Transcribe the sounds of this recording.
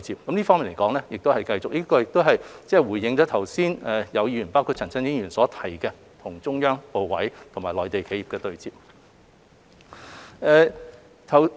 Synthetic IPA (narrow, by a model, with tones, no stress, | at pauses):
t͡siː˨p̚kɐ˨˥mnliː˥fɔː˥ŋmiː˨nle˨˩jkɔː˨˥ŋlɛ˥jɪ˨k̚t̪o˥hɐ˨jkɐ˧jt͡sʊ˨k̚liː˥kɔː˧jɪ˨k̚t̪o˥wɦɐ˨jt͡sɛː˥˩wuː˨˩jjɪ˧ŋt͡ʃɔː˨˥t̪ʰɐ˨˩wsiː˥nɛ˨jɐ˨˧wjiː˧jy˨˩paː˥wkʰu˧t͡sʰɐ˨˩nt͡sɐ˥ŋjɪ˨˥ŋjyː˨˩nsɔː˨˥t̪ʰɐ˨˩jkɛ˧ | t̪ʰʊ˨˩ŋt͡sʊ˥ŋjœː˥ŋpo˨wwɐ˨˥jt̪ʰʊ˨˩ŋmaː˨˩jlɔː˨jt̪e˨jkʰe˧ji˨pkɛː˧t̪ɵ˨ɥt͡siː˨p̚ | ɛː˨˧ | t̪ʰɐ˨˩w